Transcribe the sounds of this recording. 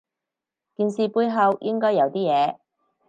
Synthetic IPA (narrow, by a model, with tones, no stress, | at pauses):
kiː˨˧nsiː˨˧puː˧jɦɐ˨˧wjʔɪ˥ŋkɔː˥jɐ˨˧wt̪iː˥jɛː˨˧